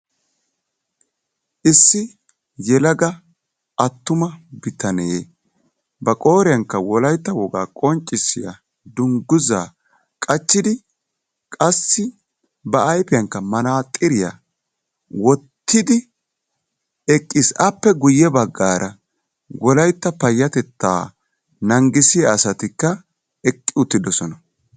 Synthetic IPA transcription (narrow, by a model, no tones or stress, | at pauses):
ʔɪsːɪ | jɛlɐɡɐ | ʔɐt̪ːʊmɐbɪt̪ʰɐne | bɐkʼo̞ːɾɪjɐŋkːɐwɔlɐjt̪ːɐwɔɡa̰ːkʼɔnt͡ʃʼːɪsɪja̰ | d̪ʊŋɡʊza̰ː | kʼɐt͡ʃːɪd̪ɪ | kʼɐsːɪ | bɐːjpɪjɐŋkːɐmɐnaːt̪ʼɪɾɪja̰ | wɔt̪ːɪd̪ɪ | ɛkʼːɪsɐpːɛɡʊjːɛbɐɡːaːɾʔɐ | wɔlɐjt̪ːɐpɐjːɐt̪ɛt̪ːa̰ː | nɐŋɡɪsɪjaːsɐt̪ɪkːɐ | ɛkʼːɪʊt̪ːɪd̪ɔsɔnɐ